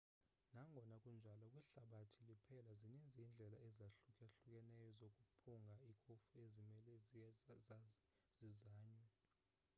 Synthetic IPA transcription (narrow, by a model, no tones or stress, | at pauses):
naŋɡʱɔnakʼund͡ʒʱalɔkʼwɛɬaɓatʰilipʰɛlaziɲend͡zʱiːnd͡ɮʱɛlaɛzaɬukʼɛɬuk̬ʼɛnɛjɔzokʼupʰuŋɡʱaikʰʼofuezimɛlɛ | z̥izaːɲɛ